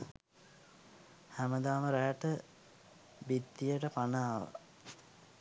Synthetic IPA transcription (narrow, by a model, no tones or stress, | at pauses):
hæməd̪aːməɾæjəʈə | bit̪ːijəʈəpanaːʋə̰